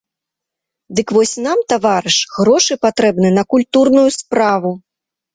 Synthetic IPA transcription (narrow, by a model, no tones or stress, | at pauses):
d̪ɨkvɔsʲnamt̪avaɾɨʂɣɾɔʂɨpat̪ɾɛbnɨnɐkulʲt̪urnujuspɾavu